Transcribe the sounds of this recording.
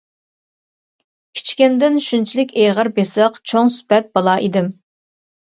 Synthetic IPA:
kʲʰi̥t͡ʃʰkʲimd̪ɪnʃynt͡ʃʰilɪkʲeʁəɾbesəqt͡ʃʰoŋsy̥pɛt̪̚bɑlˠɑʔid̪ɪm

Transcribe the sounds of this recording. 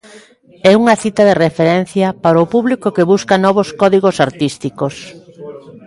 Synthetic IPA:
ɛuŋɐθit̪ɐðerefeɾɛn̟θjɐpaɾɐʊpuβlikokeβuskɐnɔβ̞oskɔðiɣosaɾt̪ist̪ikos

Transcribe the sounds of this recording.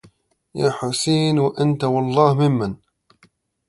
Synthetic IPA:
jaːħʊsiːnwaʔant̪awɑlˤːɑːhmɪmːan

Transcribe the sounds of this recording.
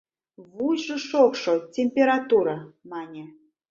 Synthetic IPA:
vujʒɨʃokʂotʲemʲpʲeɾat̪uɾamɑnʲe

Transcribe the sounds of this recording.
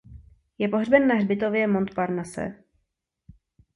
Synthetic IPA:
jɛpo̞ɦrbɛnːaɦrbɪt̪ovjɛmo̞nt̪paɾnasɛ̰

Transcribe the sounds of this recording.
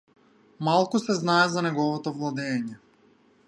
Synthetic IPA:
malˠkusɛznaɛzanɛɡɔvɔt̪ɔvlˠad̪ɛːɲɛ

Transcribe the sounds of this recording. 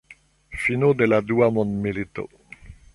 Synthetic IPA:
finod̪elad̪uamɔ̃nmilit̪o̰

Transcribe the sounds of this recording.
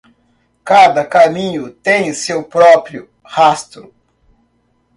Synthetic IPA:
kad̪ɐkamĩɲʊt̪ẽj̃sewpɾɔpɾjʊ | hast̪ɾʊ

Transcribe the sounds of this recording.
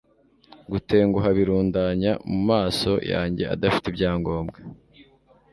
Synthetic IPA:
ɡute̞ːŋɡuɦaβiɾuːndaɲamumaːso̞̰ja̰ːɲɟe̞̰a̰dafi̥tibɟaːŋɡo̞ːmbɡe

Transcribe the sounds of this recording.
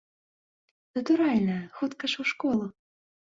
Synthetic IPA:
nɐt̪uɾalʲnɐxut̪kɐʂuwʂkɔlˠu

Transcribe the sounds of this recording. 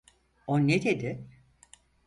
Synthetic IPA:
oned̪ed̪ɪ

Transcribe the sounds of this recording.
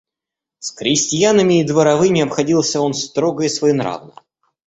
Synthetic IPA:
skɾʲɪsʲtʲɪjanəmʲɪːd̪vəɾɐvɨmʲɪɐpxɐdʲilˠsʲəo̞nst̪ɾoɡəjəsvɐinɾa̰vnə̰

